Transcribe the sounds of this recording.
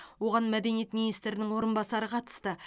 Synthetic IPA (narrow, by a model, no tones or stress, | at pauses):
wo̞ʁɑnmæd̪e̞nijet̪minijst̪ɾɪnɪŋwo̞ɾənbɑsɑɾəqʰɑt̪ə̥st̪ə